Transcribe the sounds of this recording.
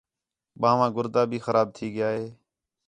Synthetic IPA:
ɓãːʋãːɡʊɾd̪aːbʱiːxəɾaːb̚t̪ʰiːɡɪjaːɦeː

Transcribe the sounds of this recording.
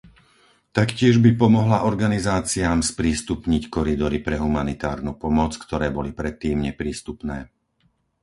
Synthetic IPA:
t̪akcɪɛʒbipɔmɔɦlaʔɔɾɡanizaːt͡siaːmspɾiːst̪upɲickɔɾid̪ɔɾipɾɛɦumanit̪aːɾnupɔmɔt͡skt̪ɔɾɛːbɔlipɾɛt̪ːiːmɲɛpɾiːst̪upnɛː

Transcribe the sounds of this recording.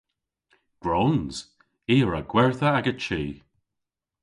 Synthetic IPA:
ɡ̥ɹoːnz̥ | iːɹaɡ̥wɛɹθəaɡət͡ʃiː

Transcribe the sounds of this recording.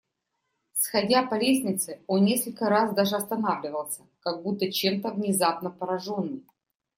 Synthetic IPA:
sxɐdʲapɐlʲesʲnʲɪt̪sɨo̞nnʲeskəlʲkəɾasd̪aʐɨɐst̪ɐnavlʲɪvəlˠsʲə̥kɐɡ̚but̪ːət͡ɕe̞mt̪əvnʲɪzapnəpəɾɐʐo̞nːɨj

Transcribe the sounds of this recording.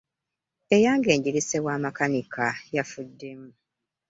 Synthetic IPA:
e̞jaːŋɡe̞ːɲɟiɾisewaːmakanikʰajafudːe̞mu

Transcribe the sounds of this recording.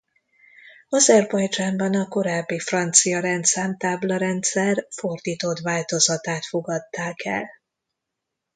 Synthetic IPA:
ɒzɛrbɒjd͡ʒaːmbɒnɒko̞ɾaːbːifrɒnt̪sijɒɾɛnt̪saːmt̪aːblɒɾɛnt̪sɛrfo̞rd̪iːt̪ot̪vaːlt̪o̞zɒt̪aːt̪fo̞ɡɒt̪ːaːkɛ̰l

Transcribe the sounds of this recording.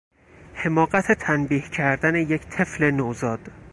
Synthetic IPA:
he̞mɒːɢæt̪ʰe̞t̪ʰænbiːhcʰæɾd̪æne̞je̞cʰt̪ʰe̞fle̞nozɒːd̪̥

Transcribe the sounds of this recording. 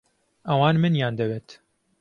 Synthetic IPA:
ʔɐwɑːnmɨnjaːnd̪ɐweːt̪

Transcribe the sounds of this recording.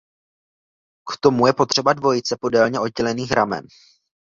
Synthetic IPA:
kt̪o̞mujɛpo̞t̪r̝̥ɛbadvo̞jɪt͡sɛpo̞dɛlɲɛʔod̪̚ɟɛlɛniːxɾʔamɛ̰n

